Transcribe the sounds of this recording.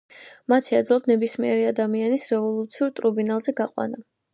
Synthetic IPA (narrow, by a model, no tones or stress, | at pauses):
mat̪ʃɛːd̪zlˠɔt̪nɛbismiɛɾiad̪amianisɾɛvɔlˠut̪sʰiuɾt̪ʼɾubinalˠzɛɡaqʼwa̰na